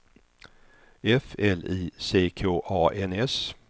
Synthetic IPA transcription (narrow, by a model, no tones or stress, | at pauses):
ɛfɛliːseːkʰoːʔɑːʔɛnɛs